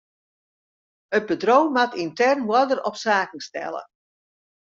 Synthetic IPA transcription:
ət̚bədroːmatintɛrnwɔdərɔpsaːkən̩stɛ̰lˠə̰

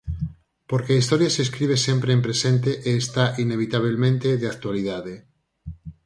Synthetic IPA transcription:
poɾkeaist̪oɾjaseːskɾiβ̞esẽmpɾeempɾesent̪eʔeːst̪aʔineβ̞it̪aβ̞elmẽnt̪eðeakt̪waliðaðe

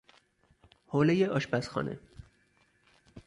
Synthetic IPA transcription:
hoːlejeʔɒːʃpæsxɒ̰ːnʔḛ

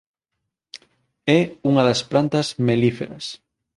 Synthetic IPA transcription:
ɛuŋɐðɐspɾant̪ɐzmelifḛɾɐs

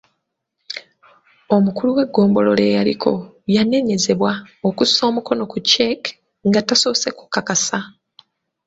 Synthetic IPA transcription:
o̞mukuluwe̞ɡːo̞ːmbo̞lo̞le̞ːjalḭkʰo̞ | jane̞ɲe̞ze̞βwaokuso̞ːmuko̞no̞kut͡ʃːek | ŋɡataso̞ːse̞ku̥kːakasa

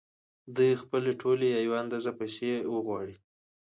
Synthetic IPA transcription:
d̪ujxpəleʈʰolejɑjwand̪azapajsewəɣwɑɽi

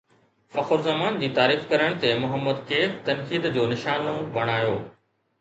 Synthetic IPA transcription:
fɐxʊɾzɐmaːnd͡ʑiːt̪aːɾiːfkɐɾəɽ̃t̪emʊɦəmːəd̪keːt̪ɐnkiːd̪d͡ʑoːnɪʃaːnoʋɐɽ̃aːjoː

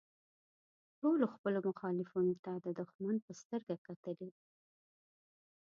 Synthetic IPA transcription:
ʈoloxpəlomʊxɑlɪfinot̪ad̪əd̪ʊxmanpəst̪əɾɡakat̪əli

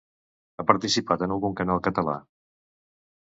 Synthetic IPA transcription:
apəɾt̪isipat̪ənəlˠɣuŋkənalˠkət̪əla̰

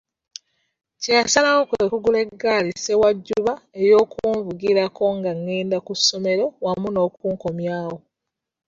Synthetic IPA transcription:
ceasalawokwekuɡule̞ɡːaːlise̞waɟːuβae̞jo̞ːkʰuːɱvuɡiɾakʰo̞ŋɡaŋːeːndakusːo̞me̞ɾo̞wamuno̞ːkuːŋkomjaːwo

